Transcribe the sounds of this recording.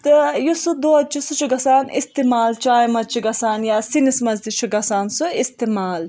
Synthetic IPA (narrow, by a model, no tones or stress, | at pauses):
t̪ɨjusud̪oːd̪̚t͡ʃʰusut͡ʃʰuɡɐsaːnḭst̪imaːlt͡ʃaːjmɐd̪̚t͡ʃʰiɡɐsaːnjaːsinismɐzd̪it͡ʃʰuɡɐsaːnsuist̪imaːl